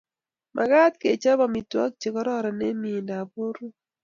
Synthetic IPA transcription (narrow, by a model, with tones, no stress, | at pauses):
mʔa̰˨ɡa˦t̪ke˨t͡ʃa˦bɔ˨mi˨twɔ̰˦k̚t͡ʃe˨kɔ˦ɾɔ˦ɾɔ˨ne˦mi˨nda˨bo˦ɾu˦